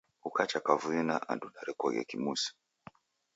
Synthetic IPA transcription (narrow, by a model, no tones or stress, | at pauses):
ukat͡ʃakavuinaʔa̰duɗaɾɛkɔɣɛ̰kimusi̥